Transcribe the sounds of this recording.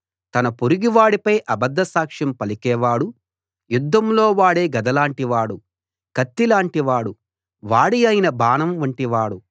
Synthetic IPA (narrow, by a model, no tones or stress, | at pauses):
t̪ɐnɐpoɾiɡiʋaːɽipɐjʔɐbɐd̪ːɐsaːkʂɐmpɐlikɛːʋaːɽu | jud̪ʱːɐmlo̞ːʋaːɽe̞ːɡɐd̪ɐlaːɳʈiʋaːɽu | kɐt̪ːilaːɳʈiʋaːɽu | ʋaːɽiɐjinɐbaːnɐmɐɳʈiʋaːɽu